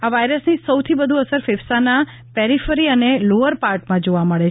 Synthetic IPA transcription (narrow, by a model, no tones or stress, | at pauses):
aʋajɾəsnisəwt̪ʰibəd̪ʱuəsəɾfefsana | pɛɾifəɾiəneloʋəɾpaɾʈmãd͡ʒoʋaməɭet͡ʃʰ